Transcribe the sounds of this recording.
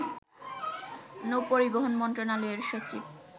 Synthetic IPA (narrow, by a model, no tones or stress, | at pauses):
nowpoɾiboɦonmɔnt̪ɾonaloeɾʃot͡ɕib̚